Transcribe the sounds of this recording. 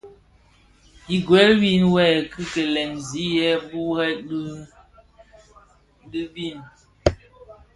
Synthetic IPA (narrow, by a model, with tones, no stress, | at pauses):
i˨ɡwɛ˨˦lwi˦˨nwɛ˦˨kʰɨ˦ke˨lɛ˨ŋzi˨˦jɛ˦bu˦hɛ˦ɗ | ɗɨ˦bi˦˨n